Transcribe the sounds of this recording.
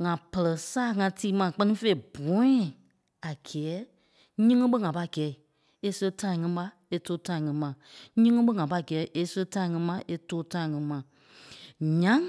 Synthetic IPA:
ŋã˨pə˨lɜ˨saː˦˨ŋã˧tiː˦mã˨k͡pɜ˦nĩ˦fe˧i˨b̥ɔ̃˨˦ĩ˨ | a˨ɡ̥ɛː˨˦ | ɲĩ˦ŋɨ̃˦ɓə˦ŋã˨pa˧˨ɡɛː˨˦i˨ | e˦sə˧˦tã˧˦ĩ˨ŋĩ˧˦ɓa˧ | e˧toː˧˦tã˧˨ŋĩ˧˨˦mã˨ɲĩ˦ŋɨ̃˦ɓə˦ŋã˨pa˧˨ɡɛː˨˦ʔe˧sə˧˦tã˧˦ĩ˨ŋĩ˧˦mã˨ʔe˧toː˦tã˧˦ĩ˨ŋĩ˧˦mã˨ | ɲã˨˦

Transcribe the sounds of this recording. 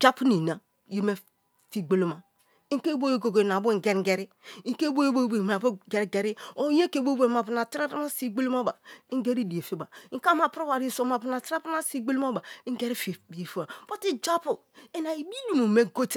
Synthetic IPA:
d͡ʒa˦pu˦ni˨na˨ | jo˦me˦ | fi˦ɡ͡be˦lo˦ma˨ | i˦ŋ˦ke˦bo˦jo˦ɡo˨ɡe˨na˨bu˦ŋ˨ɡe˦ɾɡe˨ɾi˦i˦ŋ˦ke˦bo˦jo˦bo˦be˨m˨a˨bo˦ɡe˨ɾɡe˨ɾi˦o˨˦je˦ke˦˨bo˦bo˨m˨a˨pu˨na˨tɾa˦ɾa˦ma˦si˦ɡ͡be˦lo˦ma˦ba˨i˦ɡe˦ɾi˦di˨e˨fe˦ba˨i˦ŋ˦ka˦ma˨pɾo˦ba˨ɾi˦˨so˨ma˨pu˦na˨tɾa˦pu˦na˦si˦ɡ͡be˦lo˦ma˦ba˨i˦ŋ˦ɡe˦ɾi˦fe˨bi˨e˨fe˦a˨bo˦ti˦d͡ʒa˦pu˨ | e˦na˨i˨bi˦ni˨mo˨me˦ɡo˦t

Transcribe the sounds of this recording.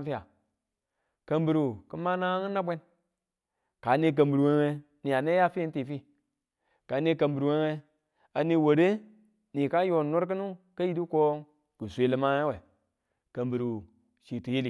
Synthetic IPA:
fi˦ja˨ | ka˦mbi˨ɾu˨ki˦ma˦na˦ŋi˦nːa˦bʷe˦n | ka˨˦ni˦k̬ə˨mbi˨ɾu˨we˦ŋe˦ | ni˨a˨ne˦ja˦fi˦i˦nti˨fi˦ | ka˨˦ne˦ka˨mbu˨ɾu˨we˦ŋe˦ | a˨ni˦wo˨ɾe˦ | ni˨ka˦jo˨no˦ɾk̬i˦nu˦ka˦ji˦du˦ko˦ŋ | ku˨sʷe˦li˦ma˦ŋe˦we˨ | kə˨mbi˨ɾu˨ | ʃi˨tu˨je˦li˨

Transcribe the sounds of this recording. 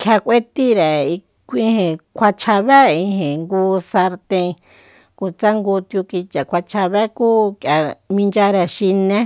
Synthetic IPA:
kʰʲa˧kʷe˦t̪i˦ɾɛ˨i˧ | kʷĩ˧˦hẽ˨kʷʰa˧t͡ʃʰa˧βɛ˦i˧ɦẽ˨ŋɡuː˦sa˧ɾt̪ẽ˧ | ku˨t͡sa˦ŋɡu˧t̪ju˧ki˧t͡ʃa˨kʷa˧t͡ʃʰa˧βɛ˦kuː˦kja˨mĩ˧nd͡ʒa˧ɾɛ˨ʃi˧nẽ˦

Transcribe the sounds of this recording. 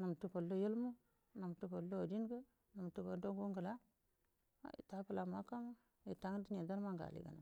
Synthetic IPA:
nu˨m˨tu˦po˨lːo˦jə˦lmu˦ | nu˨m˨tu˦po˨lːo˦a˨di˦n˦ɡə˦ | nu˨m˨tu˦bo˨do˦ŋɡu˦ŋɡə˨la˦ | a̰˦ḭ˨ta˦pə˦la˨ma˦ka˦ma˦ | i˨ta˨˦ŋ˦di˦ɲe˨da˦ɾma˦ŋɡa̰˨lḭ˨ɡa̰˨na˨

